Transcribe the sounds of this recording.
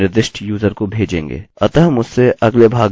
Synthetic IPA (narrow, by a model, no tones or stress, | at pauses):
ɪɾd̪ɪʃʈjuːzəɾkobʱeːd͡ʒḛ̃ːŋɡḛːɐt̪ɐɦɐmʊsːeʔɐɡlebʱaːɡ